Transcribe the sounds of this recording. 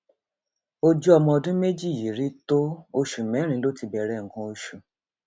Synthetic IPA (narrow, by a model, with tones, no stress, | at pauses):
o˦d͡ʒu˦ɔ˧mɔ̃˧ɔ˧dũ˦me˦d͡ʒi˦˨ji˨ɾi˨˦to˦o˧ʃu˨mɛ̃˨˦ɾ̃ĩ˧˦lo˦ti˧bɛ˧ɾɛ˨˦˨ŋ̩˨kã˧o˧ʃu˨